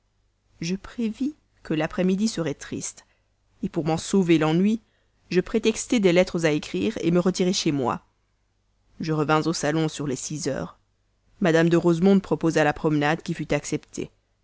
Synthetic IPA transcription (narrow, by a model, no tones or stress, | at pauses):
ʒəpχevi | kəlapχɛmid̪isəʁɛt̪χḭst̪ | epuʁmɑ̃sovelɑ̃nɥi | ʒəpχet̪ɛkst̪ɛd̪ɛlɛt̪χəzaekχiːʁḛməʁət̪iʁeʃemwa̰ | ʒəʁəvɛ̃zosalɔ̃syʁlɛsizœ̰ːʁ | mad̪amd̪əʁozmɔ̃d̪̚pχɔpozalapχɔmnad̪kʲifyt̪aksɛpt̪ʰḛ